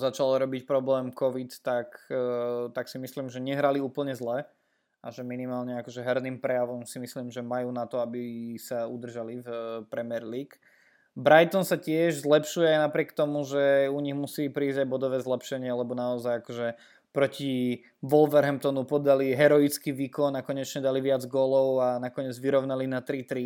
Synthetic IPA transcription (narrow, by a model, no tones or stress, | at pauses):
zat͡ʃalɔɾɔbicpɾɔblɛːmkɔʋit̪t̪ak | t̪aksimisliːmʒɛɲɛɦɾaliuːpl̩ɲɛzlɛ | ʔaʒɛminimaːlɲɛakɔʒɛɦɛɾniːmpɾɛjaʋɔmsimisliːmʒɛmajuːnat̪ɔabisaud̪r̩ʒalifpɾɛmɪɛɾliːk | bɾajt̪ɔnsacɪɛʒzlɛpʃujɛajnapɾɪɛk̚t̪ɔmuʒɛuɲiɣmusiːpɾiːzɟajbɔd̪ɔʋɛːzlɛpʃɛɲɪɛlɛbɔnaɔzajakɔʒɛ | pɾɔci | ʋɔlʋɛɾɦɛmp̚t̪ɔnupɔd̪aliɦɛɾɔit͡skiʋiːkɔnːakɔɲɛt͡ʃɲɛd̪aliʋɪad͡zɡɔːlɔʊanakɔɲɛd͡zʋiɾɔʊnalinat̪ɾit̪ɾi